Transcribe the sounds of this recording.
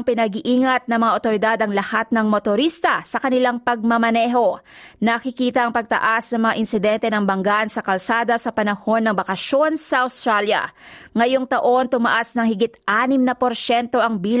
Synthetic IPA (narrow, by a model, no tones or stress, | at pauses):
ŋpɪnɐɡiʔiːŋɐt̪̚nɐŋmɐŋaʔot̪o̞ɾɪd̪ad̪ɐŋlɐhat̪̚nɐŋmot̪oɾist̪ɐsɐkɐnɪlaŋpɐɡ̚mɐmɐnɛːɦo̞ | nɐkɪkiːt̪ɐʔɐŋpɐɡ̚t̪ɐ̰ʔasnɐŋmɐŋa̰ʔɪnsɪd̪ɛnt̪ɛnɐŋbɐŋɡansɐkɐlsaːd̪ɐsɐpɐnɐho̞nːɐŋbɐkɐʃjo̞nsɐʔɐwst̪ɾaljɐ̰ŋɐjoŋt̪ɐʔo̞nt̪ʊmɐʔasnɐŋhɪɡɪt̪ʔaːnɪmnɐpo̞ɾʃɛnt̪o̞ʔɐŋbiːl